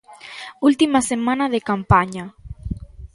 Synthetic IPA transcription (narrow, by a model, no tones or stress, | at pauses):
ult̪imasemanaðekampaɲa